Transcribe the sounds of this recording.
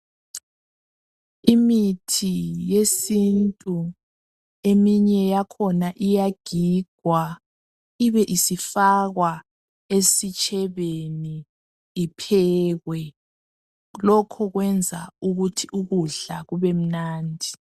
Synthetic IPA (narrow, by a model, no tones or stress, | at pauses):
imitʰijesintʼu | emiɲɛjakʰɔnaʔijaɡ̥ʱiɡ̥ʱwa | iβɛʔisifaɣwa | esit͡ʃʼɛβeniː | pʰɛːɣwɛ | lɔkʰɔɣwɛnd͡zʱauɣutʰiuɣuɮaɣuβem̩naːndʱi